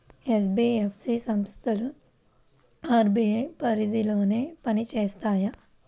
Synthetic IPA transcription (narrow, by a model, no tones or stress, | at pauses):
eːsbiːefʰsisɐmst̪ɐl | aːɾbiepɐɾid̪iloːnepɐnit͡ʃeːst̪aːja